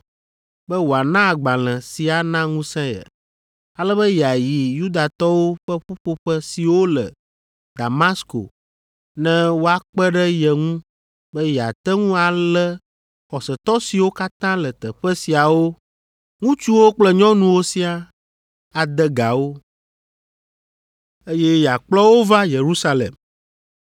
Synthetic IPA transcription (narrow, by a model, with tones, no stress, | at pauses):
bɛ˦wo˨a˨nã˦a˨ɡ͡bã˨l̃ɛ̃˨si˨a˨nã˦ŋũ˦sɛ̃˦jɛ̰˨ | a˨lɛ˦bə˦ja˨ji˨ju˦d̪a˨t̪ɔ˦wo˦ɸə˦ɸu˦ɸo˦ɸə˦si˨wo˦lɛ̰˨ | d̪a˨ma˦sko̰˨ | nɛ̃˦wo˦a˨k͡pɛ˦ɖɛ˦jɛ˨ŋũ˦ | bə˦ja˨t̪ɛ˦ŋũ˦a˨lɛ˦ | xɔ˨sɛ˨t̪ɔ˦si˨wo˦ka˦t̪ã˦lə˨t̪ə˨ɸɛ˦si˨a˨wo˦ | ŋũ˦t͡ʃu˦wo˦k͡plɛ˦ɲɔ̃˦nũ˨wo˦si˦a˨ | a˨d̪ɛ˦ɡa˨wo˦ | e˦jɛ˦ja˨k͡plɔ˦wo˦va˦je˨ɾu˦sa˦lḛ˨m